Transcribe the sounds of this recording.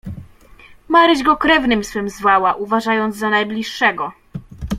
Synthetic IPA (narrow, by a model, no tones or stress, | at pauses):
maɾɘʑɡɔkɾɛvnɘmswɘmzvawaʔuvaʐajɔnd̪zzanajblʲiʂːɛɡɔ